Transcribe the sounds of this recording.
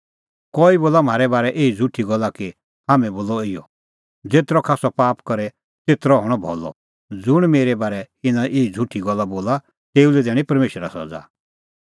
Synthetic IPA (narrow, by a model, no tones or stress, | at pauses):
kɔiboːlam̤aːɾɛbaːɾɛʔeːid͡zʱuʈʰːiɡɔlːaki | haːmɛ̃boːlɔɪjɔ̰ | d͡zeːt̪ɾɔkʰaːsɔpaːpkɔɾɛ | t͡seːt̪ɾɔɦɔɽ̃ɔbʱɔ̰lɔ̰ | d͡zʊɽ̃meːɾɛbaːɾɛ | ɪnãʔeːid͡zʱuʈʰiɡɔlːaboːla | t̪eːulɛd̪ɛːɽ̃ĩpɐɾmeːʃəɾasɔ̰d͡za̰